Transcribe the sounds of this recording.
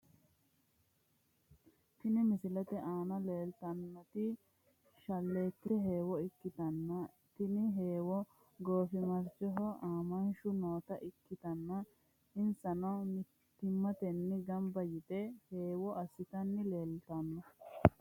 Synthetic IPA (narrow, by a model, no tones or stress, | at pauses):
t̪ɪnɪmɪsɪlɐt̪ɛʔaːnɐle̞ːlt̪ɐnːɔt̪ɪ | ʃɐlːe̞ːt̪ːɪɛɦe̞ːwɔɪkːɪt̪ɐnːɐ | t̪ɪnɪɦeːwɔ | ɡoːfɪmɐɾt͡ʃːɔɦɔʔaːmɐnʃʊnoːt̪ɐʔɪkːɪt̪ɐnːɐ | ɪnsɐnɐwnɪ | t̪ɪmːɐt̪ɛnːɪɡɐmbɐjɪt̪ɛhe̞ːwɔʔɐsːɪt̪ɐnːɪleːlt̪ɐnːɐ